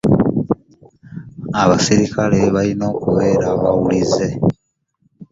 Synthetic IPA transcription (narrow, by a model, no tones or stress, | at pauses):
aβasiɾikale̞βalino̞ːkuβe̞ːɾaβawulize̞